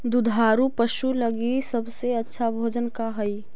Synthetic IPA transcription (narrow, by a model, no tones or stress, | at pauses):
d̪ʊd̪ʱaːɾupəʃuləɡisɐbseɐtːʃʰabʱoːd͡ʒənkaɦɐi